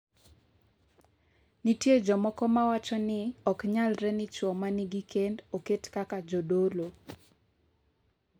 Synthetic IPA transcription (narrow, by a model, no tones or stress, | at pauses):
nitjed͡ʒɔmɔkɔmawat͡ʃɔnɪɔkɲalɾɛnɪt͡ʃwɔmanɪɡikendoketkakad͡ʒodolo